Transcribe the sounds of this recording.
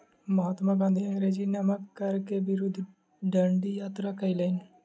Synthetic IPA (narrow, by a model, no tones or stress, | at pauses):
məɦat̪mãːɡãːnd̪ʱĩɾed͡ʒiːnəməkkːəɾkebɪɾʊd̪ʱː | ɖəɳɖiːjaːt̪ɾaːkəiːlən